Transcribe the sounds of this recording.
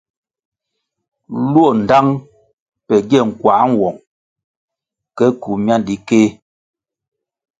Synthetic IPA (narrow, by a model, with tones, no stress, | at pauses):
lu˦o˦˨n̩˨da˦ŋ | pɛ˨ɡɛ˦˨ŋ̩˨kwa˨˦ŋ˨wɔ˨ŋ | kɛ˦ku˨mja˦ndi˨keː˦